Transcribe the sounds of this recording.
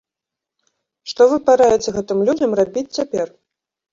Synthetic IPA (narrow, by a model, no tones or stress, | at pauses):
ʂt̪ɔvɨpaɾajɛt͡sʲɛɣɛt̪ɨmlʲud͡zʲɐmrabʲit͡sʲt͡sʲapʲɛr